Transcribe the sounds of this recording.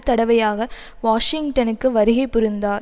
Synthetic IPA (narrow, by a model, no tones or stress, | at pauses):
t̪ːɐɽɐʋɐjaːɣɐ | ʋaːʂɪŋɡʈɐnɯkːɯʋɐɾɯɣɐɪpːʊɾɯnd̪aː